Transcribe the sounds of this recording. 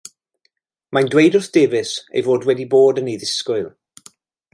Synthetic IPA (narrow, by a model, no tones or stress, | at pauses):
majndwejdʊrθd̥eːvɪsḛjvoːdwɛdiboːdənejðɪskʊɨlˠ